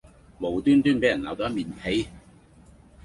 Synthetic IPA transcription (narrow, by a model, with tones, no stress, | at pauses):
mo˨˩wt̪yː˥nt̪yː˥npe˨˥jɐ˨˩nlaː˨˥wt̪ɔː˨˥miː˨nhʰe˨˥j